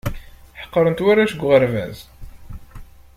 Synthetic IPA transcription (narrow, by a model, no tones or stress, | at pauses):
ħə̥qːəɾˤənt̪wæɾaʃəɡʷːʁəɾvæ̰z